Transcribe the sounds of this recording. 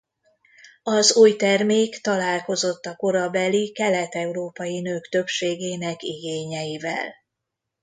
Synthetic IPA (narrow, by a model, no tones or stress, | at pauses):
ɒzuːjt̪ɛrmeːkt̪ɒlaːlko̞zo̞t̪ːɒko̞ɾɒbɛlikɛlɛt̪ɛuɾoːpɒjinøːkt̪ø̞pʃeːɡeːnɛkiɡeːɲɛjivɛ̰l